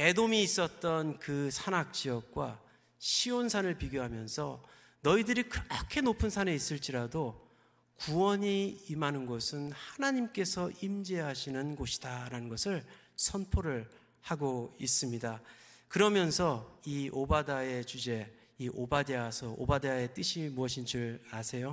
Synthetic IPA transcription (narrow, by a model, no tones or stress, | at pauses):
e̞domiːs͈ʌt̚t͈ʌnkɯsʰanak̚t͡ɕ͈iʌk̚k͈wa̰ | ɕʰiwonsʰanɯɭpiɡjoɦamjʌnsʰʌ | nʌidɯɾikɯʌkʰe̞nopʰɯnsʰane̞is͈ɯɭt͡ɕ͈iɾado | kuwʌɲiːmanɯnɡʌsʰɯnhanaɲimk͈e̞sʰʌʔimd͡ʑeɦaɕʰinɯnɡoɕʰi̥d̥aɾanɯnɡʌsʰɯɭ | sʰʌnpʰoɾɯɭ | haɡois͈ɯmɲidakɯɾʌmjʌnsʰʌiʔobadae̞t͡ɕud͡ʑe̞ | iʔobadeasʰʌo̰badeae̞t͈ɯɕʰimuʌɕ̬ʰind͡ʑɯɾasʰe̞jo